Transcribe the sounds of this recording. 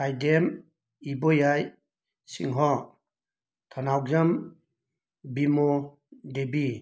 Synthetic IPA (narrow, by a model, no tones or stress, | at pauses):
kajdem | ibɔjaj | sḭŋɦɔ | t̪ʰɔnawzam | bimɔ | debi